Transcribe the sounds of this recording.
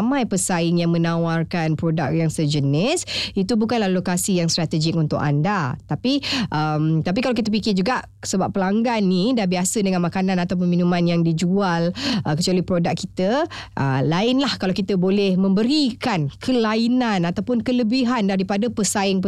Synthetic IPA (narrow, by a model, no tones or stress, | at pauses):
mãjpəsaɪŋjaŋmənãwarkanpɾodak̚jaŋsəd͡ʒənɪsit̪ubukanlahlokasijaŋst̪ɾat̪əd͡ʒɪk̚unt̪ʊka̰ndat̪apiʔəmt̪ap̬ikalawk̬it̪əp̬ikɪd͡ʒuɡaʔ | səbap̚ːəlaŋɡanːidahbiasədəŋanmakanãnat̪awp̬unminũmãnjaŋdid͡ʒualʔəkət͡ʃwalihpɾodakːit̪əʔə̰laɪnlahkalawkit̪əbolɛhmə̃mbəɾikankʰəlainanat̪awpʊnkələbiɦandaɾipadapəsaɪŋpə